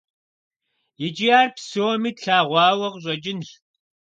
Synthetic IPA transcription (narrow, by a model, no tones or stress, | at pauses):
jɪd͡ʒijaːrpsoːmiːtɬaːʁʷɑːwɐʁɕʼɐd͡ʒɪnɬ